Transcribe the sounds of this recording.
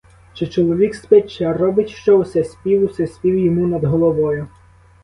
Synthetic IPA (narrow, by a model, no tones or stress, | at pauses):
t͡ʃɪt͡ʃɔlˠɔʋʲikspɛt͡ʃɛrɔbɪtʲʃt͡ʃɔʊsɛsʲpʲiwʊsɛsʲpʲiwjɔmunɐd̪ɦɔlˠɔʋɔjʊ